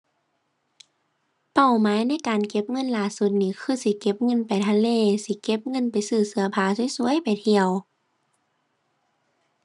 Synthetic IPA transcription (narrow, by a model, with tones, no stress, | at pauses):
pa˧˩wmaː˨˦jna˧˥˨jkaː˨˩nke˧˥p̚ŋɤ˧˥˨nlaː˧˩su˧˦t̪̚niː˧˩˨kʰɯː˧˥˨si˧˦ke˧˥p̚ŋɤ˧˥˨npa˨jt̪ʰa˧˩leː˧˨si˧˦ke˧˦p̚ŋɤ˧˥˨npa˨jsɯː˧˩sɯ˧ɐpʰaː˧˦su˧˦jsu˧˦ə˨jpa˨jt̪ʰi˧əw